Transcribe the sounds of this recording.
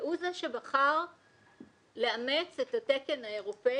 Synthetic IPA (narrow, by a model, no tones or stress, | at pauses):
ʔuzaʃe̞baχaʁ | leamet͡setateke̞nhaeʁo̞pe